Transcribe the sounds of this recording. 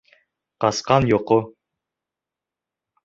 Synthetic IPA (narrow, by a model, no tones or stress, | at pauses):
qɑsqɑnjoqo